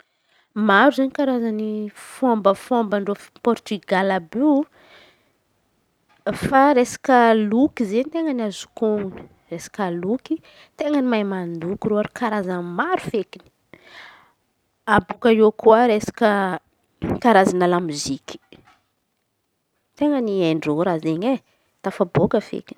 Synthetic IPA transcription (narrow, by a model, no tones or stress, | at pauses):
maɾuzaɲikaɾazanifombəfombəɳɖ͡ʐofpɔɾt̪yɡalabi | faɾesḁkəlukizenit̪eŋənazu̥koŋuni̥ | resḁkaluki | t̪eŋənimajmand̪ukiɾoaɾikʰaɾazanmaɾufekini̥ | abukaokuaɾesḁkə | kaɾazanalamiziki̥ | t̪eŋəniajɳɖ͡ʐoɾazeɲe | t̪afabokəfḛkini̥